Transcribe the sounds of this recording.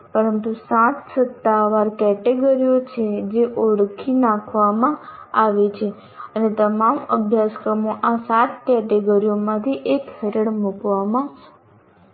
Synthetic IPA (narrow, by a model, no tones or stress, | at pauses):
pəɾənt̪usãt̪sət̪ːaʋaɾkɛʈeɡəɾijot͡ʃʰed͡ʒeʔoɽkʰinãkʰʋamãaʋet͡ʃʰe | ənet̪əmaməbʱjaskɾəmoʔasat̪kɛʈeɡəɾiomãt̪ʰiʔekhəɾəɽmukʋamã